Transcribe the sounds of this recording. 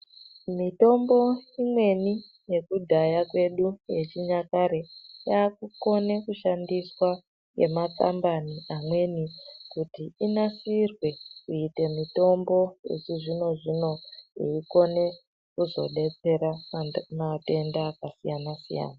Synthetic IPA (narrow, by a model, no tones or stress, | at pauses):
mito̞mbo̞imwe̞ni | je̞kudʱajakwe̞ɗuje̞t͡ʃiɲakaɾejaːkuko̞ne̞kuʃandiswa | je̞̰maka̰mbaniamwe̞nikutiinasirwe̞kuite̞mito̞mbo̞jḛt͡ʃuʐino̞ʐino̞jḭiko̞ne̞ | kuzo̞̰ɗe̞t͡se̞ɾamate̞ndaːkasijanasḭja̰ːna